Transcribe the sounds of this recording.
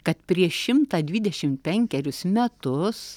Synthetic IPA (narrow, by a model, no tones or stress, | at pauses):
kɐt̪pʲɾʲiɛʃʃʲɪmt̪ɑːd̪ʲʋʲɪd̪ʲɛʃʲɪmt̪̚pʲɛŋʲkʲɛɾʲʊsmʲɛt̪ʊs